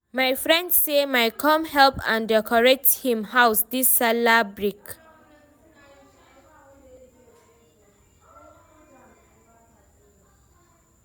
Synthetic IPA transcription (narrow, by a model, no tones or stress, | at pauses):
majfɹɛ̃ndsemajkʰɔ̃mhɛlpã̰ndɛkʰɔɹɛk̚thĩmhawsdisːalabɹik